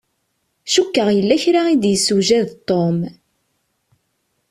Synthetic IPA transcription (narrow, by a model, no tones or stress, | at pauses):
ʃukːəʁjəlːæçɾaid̪jəsːuʒæðt̪ˤːom